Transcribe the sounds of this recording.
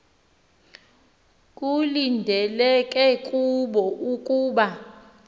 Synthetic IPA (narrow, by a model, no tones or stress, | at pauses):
kʼulindʱɛlɛkʼɛkʼuɓɔʔukʼuːɓa